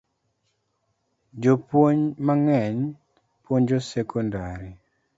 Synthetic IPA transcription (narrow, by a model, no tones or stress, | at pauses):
d͡ʒopwoɲmaŋɛɲ | pwoɲd͡ʒosɛkɔndaɾi